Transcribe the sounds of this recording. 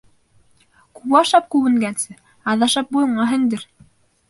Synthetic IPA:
kuwɑʃɑp̚kʉwɘ̆ŋɡænsɘ | ɑðɑʃɑp̚bujɤ̆ɴɑɦɘ̆nd̪ɘɾ

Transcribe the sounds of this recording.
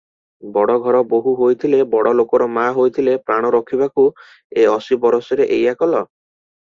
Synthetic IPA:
bɔɽɔɡʱɔɾɔboɦuɦojt̪ʰilebɔɽɔlokɔɾɔmaɦojt̪ʰilepɾaɽ̃ɔɾɔkʰibaku | eɔsibɔɾɔsɔɾeʔejakɔlɔ

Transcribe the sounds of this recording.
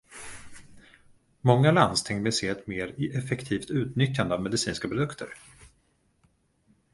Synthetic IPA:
mɔŋːaland̪st̪ʰɪŋvɪlseːɛt̪meːɾɪʔɛfɛkt̪ʰiːft̪ʉ̟ːt̪nʏt̪jːand̪əavmɛd̪ɪsiːnskapɾʊd̪ɵkt̪ʰə̰ɾ

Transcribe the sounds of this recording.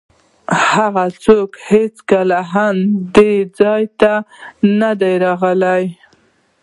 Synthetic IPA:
haɣat͡sokhet͡skalaɦand̪ed͡zɑjt̪anad̪ajɾɑɣəlaj

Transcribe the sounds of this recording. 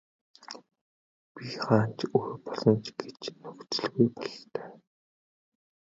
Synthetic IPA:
pʲiχaːn̥t͡ɕuxpɔɮɞ̆nt͡ɕɡet͡ɕnɵkt͡sɵ̆ɮɣujpɔɮt̪œː

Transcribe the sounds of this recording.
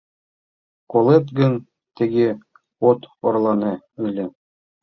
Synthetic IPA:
kolˠet̪ɡɘ̆n | t̪ɘ̆ɡɘ | ot̪oɾlˠɑnɤ | ɘ̆lʲɘ̆

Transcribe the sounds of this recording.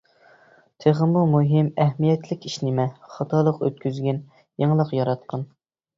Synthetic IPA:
t̪ʰeʁɨmumuɦɪmɛhmijɛt̪lɪkʲiʃnɪmɛχɑt̪ʰɑlˠəqø̰t̪̚kʲyzɡʲɛn | jeŋlˠəqjɑɾɑt̪qʰɑn

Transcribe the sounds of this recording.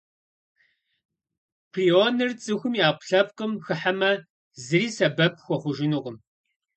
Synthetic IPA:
pʰrionɨrt͡sʼɨxʷʊmjaːqʷʊ̥ɬɐp̚qəmxɨħamɐ | zɨriːsɐbɐp̚ʰxʷɔχʷʊʒɪnuːʁəm

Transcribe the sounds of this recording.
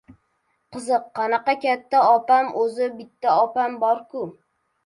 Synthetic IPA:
qʰɨzɨqʰːɑnɑqɑkʲat̪ːaɒpamʔɵzɪbɪt̪ʰːaɒpambɒɾkʰʊ

